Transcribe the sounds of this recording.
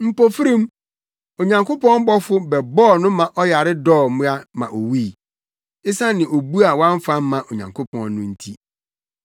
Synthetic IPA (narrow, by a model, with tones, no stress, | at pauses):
m̩˨po˨fi˦ɾĩ˦m | o˨ɲã˨ŋkʊ˦pɔ̃˦n̩˦bɔ˦fʊ˦bɛ˨bɔː˦˨nʊ̃˦mã˨ʔɔ˦ja˨ɾɪ˦dɔː˦˨mũ˦a˦mã̰˨ʔo˨wi˦˨ | ɪ˦sã˦nɪ̃˨ʔo˨bu˦a˨wã˦ɱ̩˦fa˦m˦mːã˨ʔo˨ɲã˨ŋkʰʊ˦pʰɔ̰̃˦nː˦ʊ̃˦n̩˦tʰi˦